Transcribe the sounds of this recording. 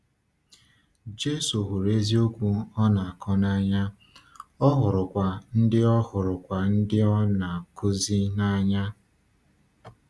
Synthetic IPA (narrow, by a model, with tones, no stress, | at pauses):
d͡ʒe˦so˨ɦu˨ɾe˦zi˦o˦kʷu˦ɔ˦na˨a˨kʰɔ˦na˦ɲa˦ | ɔ˦ɦʊ˨ɾʊ˨kʷa˨n̩˦dɪ˦ɔ˦hʊ˨ɾʊ˨kʷa˨n̩˦dɪ˦ɔ˦na˨kʊ˦zi˦na˦ɲa˦